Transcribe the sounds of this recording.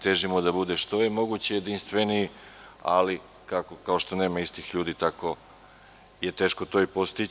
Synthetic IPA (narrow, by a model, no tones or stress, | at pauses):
t̪e̞ʒimod̪abud̪eʃt̪o̞jemo̞ɡut͡ɕejed̪inst̪ʋe̞nii | a̰li | kakokao̞ʃt̪o̞neːmaist̪ixʎuːd̪iːt̪ako̞ | je̞t̪e̞ːʃko̞t̪o̞ipo̞st̪i